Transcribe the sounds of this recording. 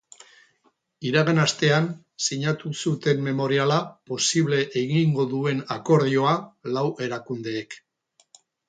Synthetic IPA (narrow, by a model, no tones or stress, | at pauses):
iɾaɣenast̪e̞an | siɲat̪usut̪e̞mme̞mo̞ɾialapo̞siβle̞ʔeɣiŋɡo̞ðue̞nako̞ɾðio̞alawʔe̞ɾakund̪e̞ːk